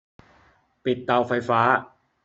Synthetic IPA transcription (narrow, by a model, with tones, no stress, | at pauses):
pi˨˩t̪̚ːa˧wfa˧jfaː˦˥